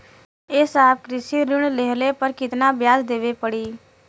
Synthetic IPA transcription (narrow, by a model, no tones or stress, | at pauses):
eːsaːb̚kɾɪsiːɾɪɳleɦleːpəɾkɪt̪naːbjaːzd̪eːʋeːpəɽiː